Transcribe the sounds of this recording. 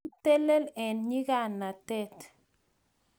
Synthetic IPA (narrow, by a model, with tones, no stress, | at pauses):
te˦le˦lɛ˨nɲi˦ɡa˦˨nːa˨tɛ˦t